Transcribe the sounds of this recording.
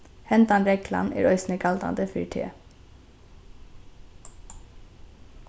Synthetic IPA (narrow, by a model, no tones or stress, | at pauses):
hɛnd̪ɑnɾɛkʰlɑ̰nʔæ̰ːɾœʏsnəkʰɑld̪ɑ̰nd̪əfyːʈʰḛː